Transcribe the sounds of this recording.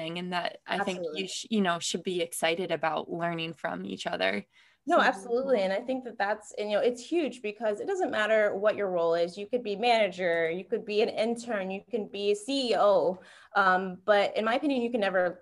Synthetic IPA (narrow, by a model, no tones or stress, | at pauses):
ɪ̃ŋɨ̃nðɨ̰ɾʔa̰ɪθɪ̃ŋjɨjɨnoʊʃɨd̚biɨksaɪɾɨɾɨbaʊtˡlɜ̃˞nɪ̃ŋfɹʌ̰̃mḭt͡ʃʌðə̰˞ | noʊæb̥səlutˡliɨ̃naɪθɪ̃ŋk̚ðɨt̪̚ðætsɨ̃jɨoʊɨtshjʉd͡ʒbɨkʰʌzɨt̚d̥ʌzə̃nmæɾə˞wʌt͡ʃə˞ɹoʊlˠɪzjɨkɨd̚bimænɨd͡ʒə˞jɨkɨd̚biɨ̃nɪ̃ntʰɜ̃˞njɨkɨ̃nbisiioʊ | ʔʌ̃mb̥ʌɾɨ̰̃nmaɪɨpʰɪ̃njɨ̃njɨkɨ̃nːɛvə˞